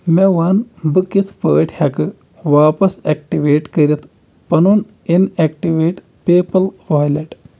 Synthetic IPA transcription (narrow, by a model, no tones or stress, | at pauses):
meʋanbɨkːispəːʈʰʲhɐkɨ | ʋaːpɐsek̚ʈiʋeːʈkɐɾit̪ʰ | pɐnun | inekʈiʋeːʈ | peːpɐlʋoːjlɐʈ